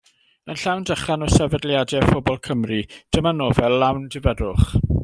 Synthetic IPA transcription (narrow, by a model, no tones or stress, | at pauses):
ənɬawndəχanɔsɛvədlˠjadɛfʊbɔlˠkʰəmrid̥əmanoːvɛllːawndɪvɛdʊχ